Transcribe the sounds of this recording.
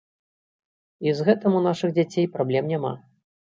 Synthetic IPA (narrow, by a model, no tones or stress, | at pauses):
izɣɛt̪ɐmunaʂɨɣd͡zʲat͡sʲejpɾablʲɛmnʲama̰